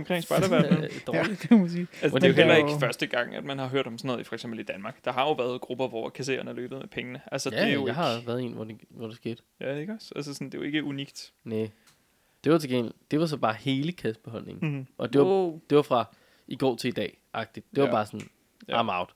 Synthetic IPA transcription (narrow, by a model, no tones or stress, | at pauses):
ɒmkʰʁeŋsb̥ɑ̈ɪɾɐʋæɐd̥ɒːli̥msiːælsmedejoɦel̰ɐe̝̥əfɶɐsd̥əɡ̥ɑ̈ŋ̰æd̥mænhɑ̈ɦøɐ̰ɾ̥ɒ̽msɒno̽ːð̩ˠifɒ̽eɡ̥sembl̩id̥ænmɑ̈ːɡ̥d̥ɑ̈ɦɑ̈jo̝ʋæɐð̩ˠɡ̥ʁub̥ɐʋɒkʰæs̬e̝̰ːɐnælø̰ːb̥ð̩ˠmepʰeŋənəʔælsəjæ̥eojɑ̈hɑ̈ʋæːɐðˠe̝̰ːnʋɒd̥eʋɒd̥esɡ̥e̝̰ːd̥jæeɡ̥ɒsælsəsɔnd̥e̝joe̝ɡ̥əʔuniɡ̥d̥ne | d̥e̝ʋɑ̈t͡sʰe̝ɡen̰l̩d̥e̝ʋɑ̈s̬ɒ̽b̥ɑ̈ːhe̝ːləkʰæsb̥e̝ɦɒ̽l̰ne̝ŋnʔɒ̽d̥e̝d̥e̝ʋɑ̈fʁɑ̈ | ʔiɡ̥ɒ̰ːt͡sʰe̝id̥ɛ̰ː | ʔɑ̈ɡ̥̚d̥id̥d̥e̝ʋɑbɑ̈ːsɒ̽n | ɑ̰mɑ̈ʊ̰d̥